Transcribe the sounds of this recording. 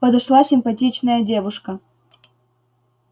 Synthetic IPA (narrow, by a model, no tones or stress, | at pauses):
pəd̪ɐʂlˠasʲɪmpɐt̬ʲit͡ɕnəjədʲe̞vʊʂkə